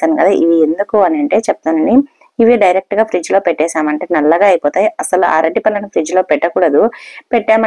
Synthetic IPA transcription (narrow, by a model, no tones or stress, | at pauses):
aːnkɐd̪aːʔiʋiend̪ukuɐnɐɳʈe̞ːt͡ʃep̚t̪aːnɐni | iʋiɖɐjɾek̚ʈɡaːpʰɾid͡ʒlo̞ːpeʈːɛːʃaːmɐɳʈe̞ːnɐlːɐɡaːɐjipoːt̪aːjiɐsɐlua̰ːɾeʈːipɐlːɐnupʰɾid͡ʒlo̞ːpɛʈːɐkuːɽɐd̪upɛʈːaːmɐ